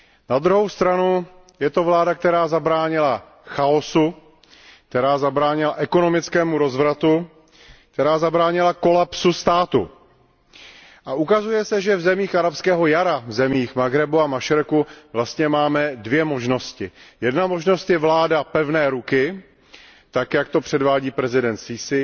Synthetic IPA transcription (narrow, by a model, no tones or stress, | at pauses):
nad̪ɾuɦowst̪ɾanu | jɛt̪o̞vlaːdak̚t̪ɛɾaːzabɾaːɲɪla | xao̞su | k̚t̪ɛɾaːzabɾaːɲɪlaʔɛko̞no̞mɪt͡skɛːmuɾo̞zvɾat̪u | k̚t̪ɛɾaːzabɾaːɲɪlako̞lapsust̪aːt̪ṵ | ʔaʔukazujɛsɛʒɛvzɛmiːxʔaɾapskɛːɦo̞jaɾavzɛmiːxmaɡɾɛbuamaʃɪɾkuvlast̪ɲɛmaːmɛdvjɛmo̞ʒno̞scɪjɛdnamo̞ʒno̞st̪jɛvlaːdapɛvnɛːɾukɪ | t̪akjakt̪o̞pr̝̥ɛdvaːɟiːpɾɛzɪdɛnt̪sɪsɪ